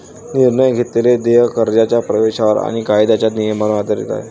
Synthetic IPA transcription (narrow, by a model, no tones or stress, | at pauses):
niɾɳəjɡʱet̪leled̪eɦəkəɾd͡ʑat͡ɕjapɾəʋeɕaʋəɾa̰ɽ̃ikajd̪at͡ɕjanijəmanad̪ʱəɾḭt̪a̰ɦḛ